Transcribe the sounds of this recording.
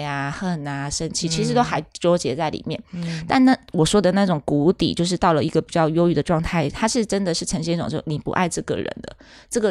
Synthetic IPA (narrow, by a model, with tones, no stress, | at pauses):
a˩xə˥˩na˩ʂə˥nt͡ɕʰi˥˩t͡ɕʰi˧˥ʂɻ̩˧˥t̪o˥xa˧˥ɪʈ͡ʂwo˥ʊt͡ɕjɛ˧˥t͡sa˥˩ɪlḭ˨˩mjɛ˥˩nt̪a˥˧nna˥˩wɔ˨˩ʂwɔ˥d̪ə˨na˥˩ʈ͡ʂʊ˨˩ŋku˧˥t̪ḭ˨˩t͡ɕjo˥˧ʊʂ̬ɻ̩˥˧t̪ɑ˥˩ʊlə˩i˧˥ɡə˨pi˨˩t͡ɕjɑ˥˩ʊjo˥ʊy˥˩d̪ə˩ʈ͡ʂwɑ˥˧ŋt̪ʰa˥˩ɪt̪ʰa˥ʂɻ̩˥˩ʈ͡ʂə˥nd̪ə˨ʂɻ̩˥˩ʈ͡ʂʰə˧˥ŋɕi˥ʈ͡ʂʊ̰˨ŋt͡ɕjo˥˩ni˨˩pṵ˧˥ʔa̰˥˧ɪʈ͡ʂɤ˥˩ɡə̰˩ɻə̰˧˥nd̪ə̰˧ | ʈ͡ʂɤ˥˩ɡə˨˩